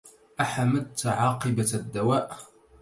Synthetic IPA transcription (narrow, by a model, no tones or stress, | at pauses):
ʔaħaməd̪̚t̪ʕɑːqɨbad̪ːawaːʔ